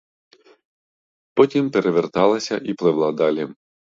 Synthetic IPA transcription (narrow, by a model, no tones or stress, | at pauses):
pɔtʲimpeɾeʋert̪ɑlˠɐsʲɐʔiplˠɪʋlˠɑd̪ɑlʲi